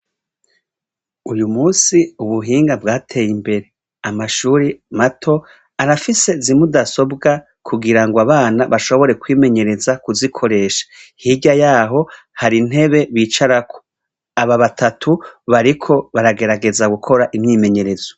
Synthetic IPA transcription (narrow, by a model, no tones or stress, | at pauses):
ujumuːsiuβuɦiːŋɡabɡaːtʰe̞ːjimbe̞ɾe̞ | amaʃuːɾimatʰo̞ | aɾafise̞zimudaso̞bɡa | kʰuɡiɾaŋɡoaβaːnaβaʃo̞βo̞ɾe̞kwiːme̞ɲe̞ɾe̞zakuzikʰo̞ɾe̞ːʃḁhiɟajaːɦo̞ | haɾin̥he̞βe̞βiːt͡ʃaɾakʰo̥ | aβaβatʰatʰuβaɾikʰo̞βaɾaɡe̞ɾaɡe̞zaɡukʰo̞ɾaʔimɲiːme̞ɲe̞ɾe̞z̥o